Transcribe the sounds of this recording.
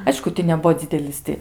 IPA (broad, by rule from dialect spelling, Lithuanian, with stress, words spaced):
ˈɐɪʃkʊ tʲɪ nʲɛˈbuɔ ˈd͡zʲɪdʲɛlʲɪs tʲɪ